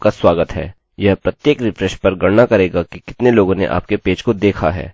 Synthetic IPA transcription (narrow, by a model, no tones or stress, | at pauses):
kaswaːɡət̪ɦɛ̰ː | jɛɦpɾɐt̪jeːkɾɪfʰɾɛʃpɐɾɡɐɽnakɐɾeːɡakikɪt̪neloːɡõnḛʔa̰ːp̚kepeːd͡ʒkod̪eːkʰa̰ɦɛ̰ː